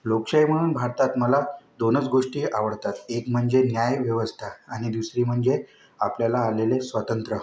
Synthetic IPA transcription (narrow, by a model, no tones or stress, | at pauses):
lokʂajm̤əɽ̃uːnbʱaɾt̪at̪məlad̪onət͡sɡoʂʈiːaʋəɽt̪at̪ekm̤əɳd͡zenjajʋjəʋəst̪ʰaːɽ̃id̪usɾiːm̤əɳd͡ze | apljalaːlelesʋat̪ənt̪ɾə